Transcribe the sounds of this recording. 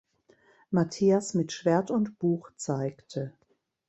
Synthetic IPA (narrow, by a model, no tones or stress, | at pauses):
matʰiːasmɪtʃv̥eːɐtʊntb̥uːxt͡saɪktʰə